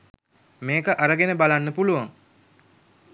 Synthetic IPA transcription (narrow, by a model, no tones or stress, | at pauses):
meːkəʔaɾəɡenəbalanːəpuluʋaŋ